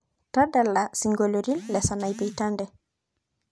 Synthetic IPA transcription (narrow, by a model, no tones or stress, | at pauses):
tadalːasiŋɡoloɾilːɛsanajbɛjtandɛ